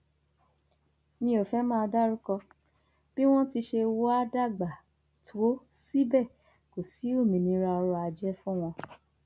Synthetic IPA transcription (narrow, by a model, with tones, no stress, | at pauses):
nĩ˧o˨fɛ˨˦mãː˦˧da˦ɾũ˦kɔ˧ | b̥i˦w̃ɔ̃˦ti˧ʃe˧wa˦da˦˨ɡ͡ba˨ | tʰo˨˦si˦bɛ˦˨ | ko˨si˨˦o˦˨mĩ˨nĩ˨˦ɾa˧ɔ˧ɾɔ˧a˧d͡ʒɛ˦fũ˦w̃ɔ̃˧